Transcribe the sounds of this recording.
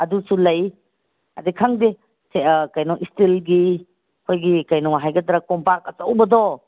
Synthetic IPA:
ɐdusulɐj | ɐdikʰaŋde | sekajnɔʔistilɡi | kʰojɡikajnɔwɦajɡɐd̪ɾakɔmpaɾk̚ɐt͡ʃawbɐdɔ

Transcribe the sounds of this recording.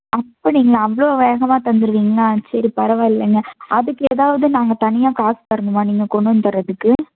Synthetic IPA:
ɐpːoːniːŋɡɐɐɐʋɐɭoʋeːɣɐmaːt̪ɐnd̪ɯɾɯʋiːŋɡɐaːsɐɾipɐɾɐʋaːɪlːɐŋɡɐʔɐðɯkːɯeːðaːʋɐðɯnaːŋɡɐt̪ɐnɪjaːkaːsɯ̥t̪ɐɪɾɯnd̪ɯmaːniːŋɡɐkɔɳɖɯnt̪ɐɾɐðɯkːɯ

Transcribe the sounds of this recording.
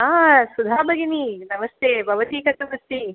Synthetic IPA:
aːsud̪ʱaːbɐɡininɐmɐst̪ʰjeːbʱɐʋɐt̪iːkɐt̪ːubust̪i

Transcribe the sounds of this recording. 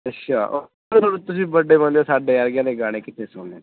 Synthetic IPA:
ɐtːʃʰaːo | oɾt̪ʊsĩbəɖebə̃noːsaːɖeaːɾɡjaːneɡaːɽ̃ekɪt̪ʰːesoːnẽː

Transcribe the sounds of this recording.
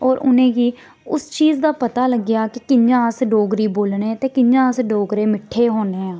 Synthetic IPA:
ɔːɾʊ̰nẽːɡiː | ʊst͡ʃiːzd̪aːpət̪aːləɡɪjaːkɪkɪɲd͡ʒãːsɖoːɡɾiːboːlnẽːt̪eːkɪɲd͡ʒãːsɖoːɡɾeːmɪʈʰːeːɦoːneːãː

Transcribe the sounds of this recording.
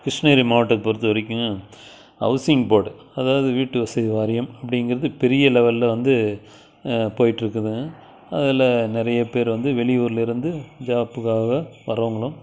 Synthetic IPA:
kɾɪʂɳeːɾimaːɐʈːɐkpoɾɯt̪ːɯʋɐɾɪk̬ʲːɯŋɡɐ | ɐ̰ʋɐsɪjɐŋpoːɽɯ | ɐðaːʋɐðɯʋiːʈːɯʋɐsɐðiʋaːɾɪjɐmɐpːɐɽɪŋɡɪɾɐðɯpɛɾɪjɐlɛʋɐllɐʋɐnd̪ɯ | poːjɪʈːɪɾɯkːɐðɯ̃ɡɐ | ɐðɪlɐnɪɾɐjɐpeːɾʋɐnd̪ɯʋɛɭɪuːɾɪlɪɾɯnd̪ɯd͡ʒaːpːɯkaːɣɐʋɐɾɐʋɐŋɡɐɭʊ̃m

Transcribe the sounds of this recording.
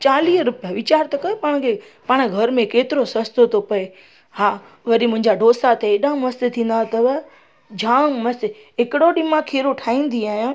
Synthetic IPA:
t͡ɕaːliːɦɾʊpijəʋɪt͡ɕaːɾt̪ɐkɐjopaːɽ̃kʰe | paːɽ̃ɡʱɐɾmẽkeːt̪ɪɾosɐst̪ot̪ʰopɐe | haː | ʋɐɗimʊ̃ɦɪ̃ɲd͡ʑaɖʱoːsat̪ʰeɗãːmɐst̪et̪ʰĩːn̆d̪at̪ɐʋ | d͡ʑʱãːmɐse | ɦɪkɪɽoɗɪmãkʰeːɾoʈʰaːĩːn̆d̪iaːɦjãː

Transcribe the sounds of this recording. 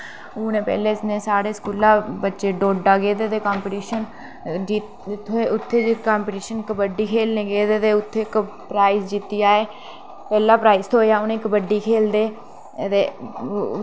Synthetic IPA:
ʊːnẽːpɛ̰ːleːɪsnẽːsaːɽeːskuːlãːbətːʃeːɖoːɖaːɡeːt̪eːt̪eːkaːmpɪʈiːʃən | d͡ʒit̪ | t̪ʰːoeːʊt̪ʰːeːɪkaːmpɪʈiːʃənkbəɖiːkʰeːlnẽːɡeːt̪eːt̪eːʊt̪ʰːeːk | pɾaːisd͡ʒit̪ːijaːeː | pɛːlaːpɾaːist̪ʰoːjaːʊnẽːkbəɖːiːkʰeːld̪eː | t̪eː

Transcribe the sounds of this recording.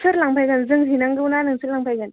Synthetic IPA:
sʰɯɾlaŋpʰajɡanzɯŋsinaŋɡɯunanɯŋsʰɯlaŋpʰajɡan

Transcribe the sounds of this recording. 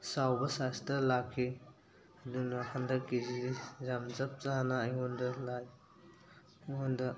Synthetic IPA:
sawbɐsastɐlakʰːi | ɐdunɐkʰandɐkizidizamzɐp̚zanaːjŋɔndɐlaj | ɔndɐ

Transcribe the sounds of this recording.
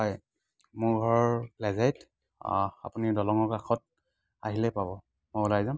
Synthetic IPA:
ɔj | mʊɹɡʱɔɹɔlɛzajt | a̰punidɔlɔŋɔkaxɔt̚ | aɦilɛpabɔ | mɔjulajzam

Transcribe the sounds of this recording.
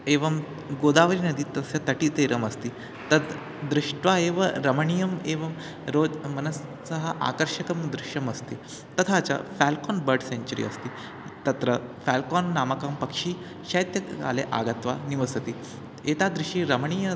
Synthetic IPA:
eʋəm | ɡod̪aʋəɾiːnəd̪iːt̪əsjat̪əʈiːt̪eɾəməst̪iː | t̪ə | d̪ɾiʂʈʋaeʋaɾəməɳijəmeʋəm | ɾod͡zmənəs | səɦaʔa̰kəɾʂəkəmd̪ɾiʂəməst̪iː | t̪ət̪ʰaːt͡ɕa̰fælkɔnbəɾɖseɲt͡ɕuɾḭəst̪iː | t̪ɐt̪ɾəfælkɔnːaməkampəkʂiː | ɕajt̪jəa̰leʔa̰ɡət̪ʋaniʋəsət̪iː | et̪ad̪ɾiʂiːɾəməɳ̃ijə

